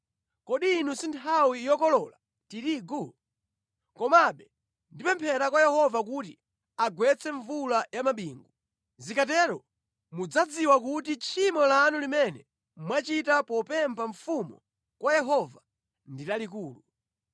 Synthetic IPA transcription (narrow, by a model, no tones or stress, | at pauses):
kɔɗiːnusintʰawijɔkɔlɔla | tiɾiːɡu | kɔmaɓɛ | ndipɛmpʰɛɾakwajɛhɔvak̬uti | aɡwɛt͡sʰɛɱvulajamaɓiːŋɡu | zikatɛɾɔ | mud͡zad͡ziwakutit͡ʃʰimɔlanulimɛnɛ | mwat͡ʃitapɔpɛmpʰaɱfumṵ | kwajɛɦɔva | nditalik̬uːlu